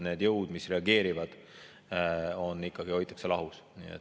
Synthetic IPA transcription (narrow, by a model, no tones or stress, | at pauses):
ne̞ːd̪jɤwd̪̥misre̞ɑɡe̞ːɾivɑd̪̥ | o̞nːikˑːɑɡio̞jt̪ːˑɑ̥kselɑɦus | nḭḛ